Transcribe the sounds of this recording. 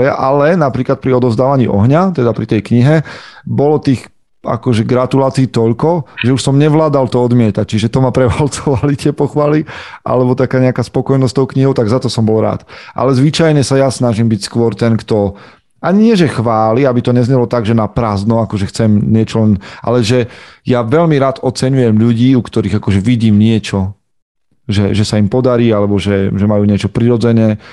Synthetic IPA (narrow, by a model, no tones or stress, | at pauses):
ɪa̰ʔalɛnapɾiːklat̪̚pɾiɔd̪ɔzd̪aːʋaɲiʔɔɦɲat̪ɛd̪apɾit̪ɛjkɲiɦɛbɔlɔt̪iːɣ | a̰kɔʒɛɡɾat̪ulaːt͡siiːt̪ɔʎkɔʒɛuʃsɔmɲɛʋlaːd̪alt̪ɔɔd̪mɪɛt̪ac̚t͡ʃiʒɛt̪ɔmapɾɛʋalt͡sɔʋalit̪ɪɛpɔxʋaliʔa̰lɛbɔt̪akaːɲɛakaspɔkɔjnɔst̪ɔʊkɲiɦɔʊt̪aɡzat̪ɔsɔmbɔlɾa̰ːt̪ʔa̰lɛzʋit͡ʃajɲɛsajasnaʒimbicskʋɔɾt̪ɛnkt̪ɔ | aɲiɲɪɛʒɛxʋaːliabit̪ɔɲɛzɲɛlɔt̪aɡʒɛnapɾaːznɔakɔʒɛxt͡sɛmɲɪɛt͡ʃɔlɛnʔa̰lɛʒɛjaʋɛʎmiɾaːt̪ɔt͡sɛɲujɛmʎuɟiːukt̪ɔɾiːɣakɔʒɛʋiɟiːmɲɪɛt͡ʃɔ | ʒɛʒɛsaimpɔd̪aɾiːalɛbɔʒɛʒɛmajuːɲɪɛt͡ʃɔpɾiɾɔd͡zɛɲɛː